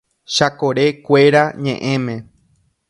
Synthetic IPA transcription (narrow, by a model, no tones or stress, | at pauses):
ʃakoɾe̞kʷe̞ɾaɲẽʔẽ̞mẽ